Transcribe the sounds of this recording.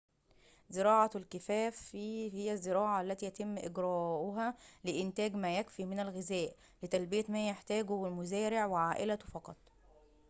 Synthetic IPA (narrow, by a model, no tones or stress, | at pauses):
zɪɾɑːʕɑlkɪfæːfihɪjːæzːeɾɑːʕɑælːæt̪iːjæt̪emːʔeɡɾæːʔʊɦælɪʔɪnt̪æːɡmæːjækfiːmɪnælɣɪzæːʔ | let̪ælbɪjæmæːjeħt̪æːɡowelmʊzæːɾɪʕweʕaːʔɪlæt̪fɑqɑt̪ˤ